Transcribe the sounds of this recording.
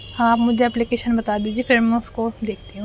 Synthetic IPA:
aːpmʊd͡ʒʱeɛplikeːʃənbɐt̪ad̪iːd͡ʒiefʰɪɾmɛ̃ʊskod̪eːkʰt̪iɦũ

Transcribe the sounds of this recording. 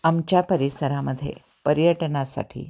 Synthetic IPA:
amt͡ʃapəɾisəɾaməd̪ʱjḛ | pəɾjəʈnasa̰ʈʰḭ

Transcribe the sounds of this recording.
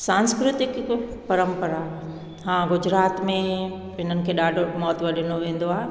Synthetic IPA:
sãːnskɾɪt̪ɪkpɐɾə̃mpəɾa | ɦãɡʊd͡ʑɾaːt̪mẽ | ɪn̤ənɪ̆kʰeːɗaːɖʱomɔːt̪ʋɐɗɪnoʋẽːn̆d̪oaːɦe

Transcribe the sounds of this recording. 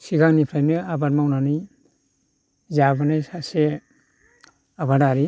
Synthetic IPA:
siɡaŋnipʰɾajmɯabaɾmawnanɯj | zabanajsase | abaɾaɾi

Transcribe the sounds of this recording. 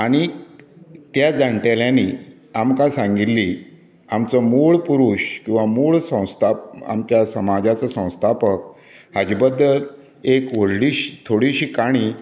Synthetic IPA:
aɽ̃i | t̪jad͡zaɳʈeljãni | amkãsãŋɡit̪lːi | amt͡səmuɭpuɾuːɕkĩw̃ʋamuɭsə̃w̃st̪ʰap̚a̰mt͡ɕjasəmad͡zat͡səsə̃w̃st̪ʰapək̚ | had͡ʑibəd̪ːəl | ekʋəɽɽiɕi̥t̪ʰoɽiɕiːkaɽ̃i

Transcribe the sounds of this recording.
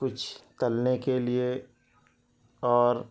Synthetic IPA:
kʊt͡ʃʰt̪ɐlnekelie | ɔːɾ

